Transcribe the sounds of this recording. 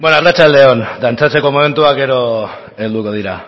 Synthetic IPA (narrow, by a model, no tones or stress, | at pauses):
bwoenoarat͡ʃald̪e̞o̞nd̪ant͡sat͡se̞ko̞mo̞me̞nt̪uake̞ɾo̞ | eld̪uko̞ð̞iɾa